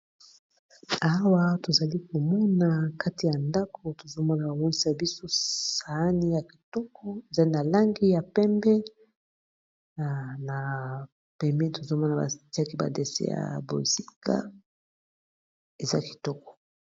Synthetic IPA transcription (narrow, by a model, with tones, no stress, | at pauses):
a˦wa˦to˨za˨li˦ko˨mɔ˦na˨ka˦ti˨ja˨nda˦kʰo˨to˨zo˦mɔ˦na˨ba˨bo˦ni˦sa˨bi˦so˦sa˨˦ni˦ja˨ki˨tɔ˦kɔ˦e˨za˦ni˦na˨la˦ŋɡi˦ja˨pɛ˦mbɛ˦˨ | na˨ | pɛ˨mɛ˦to˨zo˦mɔ˦na˨ba̰˨ti˦a˦ki˦ba̰˨de˨sḛ˦ja̰˨bo̰˨si˦kʰa̰˦ | e˨za˦ki̥˨tɔ˦kɔ̥˨